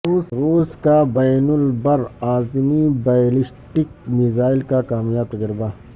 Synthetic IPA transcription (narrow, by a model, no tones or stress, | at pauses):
ɾuːsɾuːskabɐjnʊlbɐɾaːzmibajlisʈik̚mizaːɪlkakaːmjaːb̚t̪ɐd͡ʒɾibaː